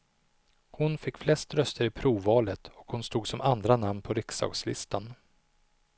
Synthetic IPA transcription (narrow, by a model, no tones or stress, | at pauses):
hʊnfɪkːflɛst̪ɾœst̪əɾɪpʰɾuːvɑːlət̪ɔkhʊnst̪uːɡsɔmand̪ɾanamnpʰɔɾɪksɑ̰ːɡslɪ̰st̪an